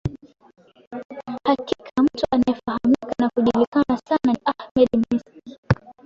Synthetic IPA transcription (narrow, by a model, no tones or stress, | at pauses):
hakikʰam̩tuʔanaɛfahamikanakuʄilikanasananʔahmɛɗmiski